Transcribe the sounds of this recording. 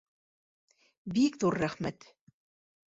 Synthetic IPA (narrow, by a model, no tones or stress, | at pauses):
bikðuɾːæχmæt̪